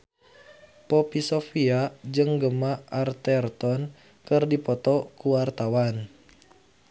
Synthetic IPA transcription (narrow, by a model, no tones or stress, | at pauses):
pɔpisɔfiad͡ʒɨŋɡəmaʔart̪ɛrt̪ɔn | kɨrdipɔt̪ɔkuwart̪awan